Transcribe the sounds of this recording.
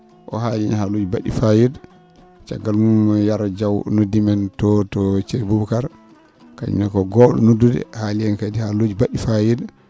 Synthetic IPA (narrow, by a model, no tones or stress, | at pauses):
ʔɔ̰ɦalinhalod͡ʒibaɗifajed | t͡ʃa̰ɡːalmumjaɾd͡ʒawnodːimɛntɔtɔt͡ʃebubkaɾ | ka̰ɲ̰nɛkɔɡɔːɗɔ̰nodːudɛ̰haliɛnkadihalod͡ʒibaɗifajed